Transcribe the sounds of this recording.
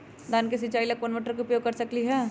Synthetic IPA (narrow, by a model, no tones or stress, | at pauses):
d̪aːnkesɪt͡ʃaːilɐk̚poːnʋoʈəɾkeʊpjoːɡkɐɾsɐkliɦɛː